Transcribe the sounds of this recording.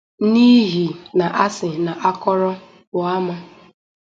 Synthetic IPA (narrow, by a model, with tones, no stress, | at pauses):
ni˦ɦi˨na˨ʔa˦sɪ˨na˨ʔa˦kɔ˦ɾɔ˦ | bʊ˨a˦ma˦